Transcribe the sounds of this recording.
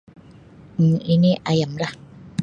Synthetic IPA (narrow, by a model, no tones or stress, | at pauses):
ʔiniʔajamɾa